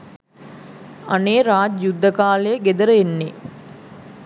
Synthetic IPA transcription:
a̰neːɾaːd͡ʒjud̪ːəkaːlejəɡed̪əɾəenːe

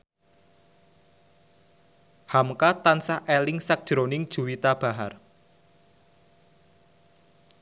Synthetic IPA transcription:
hamkat̪ansaʔelɪŋsak̚d̥ʒ̥ɾonɪŋd̥ʒ̥ṳwit̪ab̥a̤ɦar

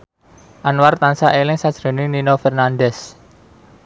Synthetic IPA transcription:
ʔanwart̪ansaʔelɪŋsad̥ʒ̥ɾo̤nɪninofɛrnanɖɛs

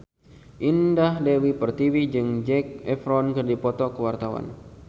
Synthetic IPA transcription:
ʔindaɦlɛwipərt̪iwid͡ʒɨŋd͡ʒɛk̚ɛfɾɔnkɨrdipɔt̪ɔkəwart̪awa̰n

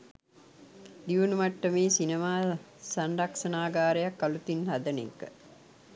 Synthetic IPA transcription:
d̪iʋunumaʈːəmeːsinemaː | sanɖakʂɐnaːɡaːɾəjakːalut̪inhad̪ənḛkə̰

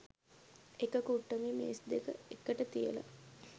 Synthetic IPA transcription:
ekəkuʈːəmimḛːsd̪ekə̰ekːəʈət̪ijə̰la̰

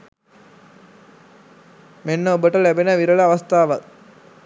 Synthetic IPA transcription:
menːəobəʈəlæbenəʋiɾələaʋast̪aːʋak̚

